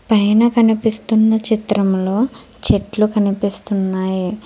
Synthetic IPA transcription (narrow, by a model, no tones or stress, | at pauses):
pɐjnɐkɐnipist̪unːɐt͡ʃit̪ɾɐmlo̞ː | t͡ʃeʈlukɐnipist̪unːaːji